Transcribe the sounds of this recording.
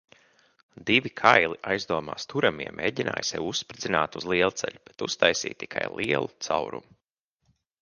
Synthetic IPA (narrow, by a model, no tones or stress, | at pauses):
d̪ivikʰajlˠiʔajzd̪uɔma̰ːst̪ʰuɾamiɛmʔḛːɟʲina̰ːjsjɛwusːpɾid̪zinaːt̪uzlˠiɛlˠt̪sɛ̰ʎʲub̥et̪ust̪ajsḭːtt̪ːikʰajlˠiɛlˠut̪sawɾṵm